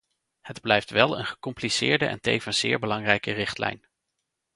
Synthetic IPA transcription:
hədblɛjftʋɛlˠə̰nχə̥kɔmplisɪːɹdəʔɛ̰ntejvənz̥ɪːɹbəlɑŋrɛjkərɪχtlɛ̰jn

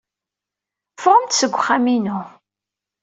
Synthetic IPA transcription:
fʁˤəmt̪səɡʷːχaminu

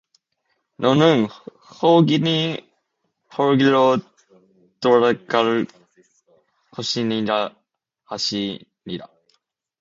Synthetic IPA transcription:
nonɯŋ | hoːɡʲini | hʰoɾɡʲiɾo | t̪oɾakaɾɯ | kʰoɕiniɾa | haɕiniɾa̰

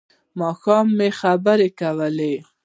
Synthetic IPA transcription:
mɑxɑmːexabəɾekawəle

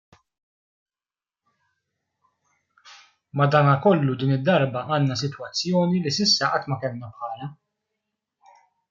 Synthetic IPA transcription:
mɐd̪ɐːnɐkɔlːud̪iːnɪd̪ːɐɾbɐʔɐːnːɐs̬ɪt̪wɐt͡sːjɔːnilisɪsːɐʔɐt̪ːmɐkɛlnɐpħɐːlɐ

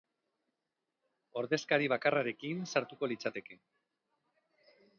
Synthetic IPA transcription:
o̞ɾðe̞skaɾiβ̞akaraɾe̞kinsaɾt̪uko̞lit͡sat̪e̞ke̞

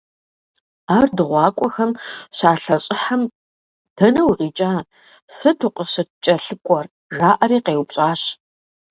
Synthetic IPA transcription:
aːrdɨʁʷɑːkʷʼɔxɐmɕaːɬɐɕʼɪħam | d̥ʰɐnɐwʁiːt͡ʃʼaː | sɨtʰuqʼəɕɐtt͡ʃʼɐɬɨkʷʼɔr | ʐaːʔɐriːqeːwpɕʼaːɕ

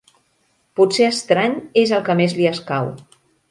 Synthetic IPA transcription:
putseəst̪ɾaɲezəlˠkəmezliəskaw

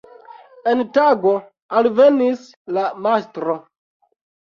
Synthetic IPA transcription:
entaɡo̞ | alve̞nis | lamastɾo

